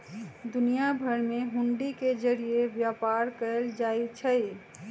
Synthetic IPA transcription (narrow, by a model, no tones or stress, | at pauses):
d̪unijabʱəɾmeɦũɳɖiked͡ʒəɾijebjapaɾkəld͡ʒajt͡ʃʰəj